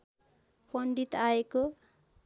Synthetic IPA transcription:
pʌɳɖit̪aeko

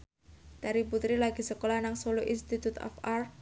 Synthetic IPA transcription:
d̪̥aɾiput̪ɾilaɡ̥i̤səkolahnaŋsoloʔinst̪it̪ut̪ɔ̰far

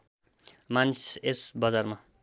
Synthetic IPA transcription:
mansesbʌd͡zarma

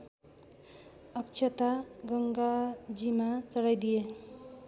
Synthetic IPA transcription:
ʌkt͡ʃʰʌt̪aɡʌŋɡad͡zimat͡sʌɽajd̪ije

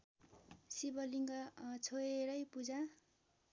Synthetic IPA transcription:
sibʌliŋɡʌt͡sʰoeɾʌjpud͡za

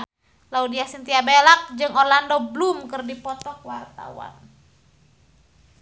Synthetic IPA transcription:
laudiasint̪iabelak̚d͡ʒɨŋɔrlandɔblumkɨrdipɔt̪ɔkwart̪a̰wa̰n

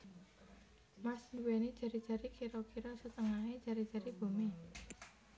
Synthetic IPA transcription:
masnuwɛnid̥ʒ̥ä̤ɾidʒ̥ä̤ɾikiɾɔkiɾɔsət̪əŋae̥ʒ̥ä̤ɾid̥ʒ̥a̤ɾib̥o̤me

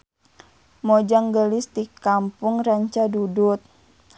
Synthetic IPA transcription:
mod͡ʒaŋɡəlɪst̪ikampʊŋraɲt͡ʃadudut̪̚

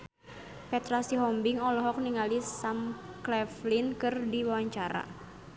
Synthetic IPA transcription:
pɛt̪ɾasiɦɔmbɪŋɔlɔɦɔk̚niŋalisamklɛflinkɨrdiwawaɲt͡ʃaɾa̰

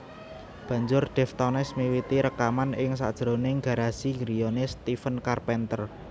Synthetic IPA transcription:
b̥a̤ɲd͡ʒʊrɖ̪̥ɛ̤ft̪ɔnɛsmiwit̪iɾəkamanɪŋsa̰d̥ʒ̥ɾoneŋɡa̤ɾasiŋɡɾijonest̪ifənkarpɛnt̪ər

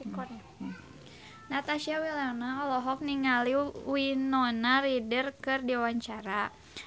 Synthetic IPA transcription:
ikɔ | nat̪asiawilaɔnaɔlɔɦɔk̚niŋaliwinɔnaridərkɨrdiwaɲt͡ʃaɾa

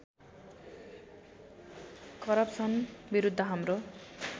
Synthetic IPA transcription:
kʌɾʌpsʌnbiɾud̪ʱːʌɦamro

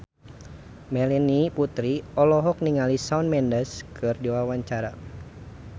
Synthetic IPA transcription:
mɛlɛniput̪ɾiɔlɔɦɔk̚niŋalisaunmɛndəskʰɨrdiwawaɲt͡ʃaɾa

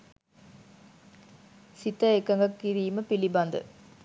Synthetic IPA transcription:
sit̪əekɐŋɡɐkːiɾiːməpilibɐnd̪ə̰

